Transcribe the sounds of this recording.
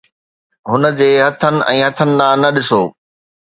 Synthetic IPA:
ɦʊnə̆d͡ʑeːɦɐt̪ʰənɪ̆ʔɛ̃ːɦɐt̪ʰənɪ̆lãːnɐɗɪsoː

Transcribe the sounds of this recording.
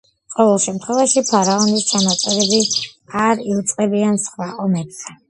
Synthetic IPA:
qʼɔvɛlˠʃɛmt̪ʰχwɛvaʃipʰaɾaɔnist͡ʃʰanat̪sʼɛɾɛbiaɾiut̪sʼqʼɛbiansχwaʔɔmɛbz̥ɛ

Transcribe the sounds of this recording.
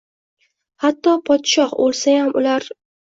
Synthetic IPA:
hat̪ːɒpʰɒt̪ʃɒhbolˠsajamʊlaɾ

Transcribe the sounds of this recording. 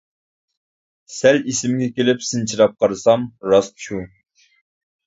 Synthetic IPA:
sælisɪmɡʲɛkʲelɪpsɨnt͡ʃʰiɾɑp̚qʰɑɾɨsɑmɾɑst̪ʃu

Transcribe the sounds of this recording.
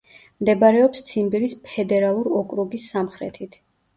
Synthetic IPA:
md̪ɛbaɾɛɔpst̪sʰinbiɾispʰɛd̪ɛɾalˠuɾɔkʼɾuɡisːamχɾɛ̰t̪ʰit̪ʰ

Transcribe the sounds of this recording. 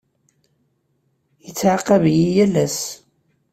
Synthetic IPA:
jət͡sːʕaqːəvjijælæs

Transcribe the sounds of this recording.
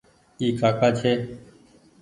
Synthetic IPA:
iːkʰaːkaːt͡ʃʰeː

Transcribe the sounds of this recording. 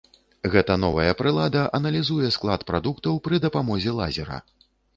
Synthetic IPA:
ɣɛt̪ɐn̪ɔvɐjɐpɾɨlˠad̪ɐʔɐnɐlʲizujɛsklˠat̪pɾad̪ukt̪ɐwpɾɨd̪ɐpamɔzʲɛlˠa̰zʲɛɾɐ̰

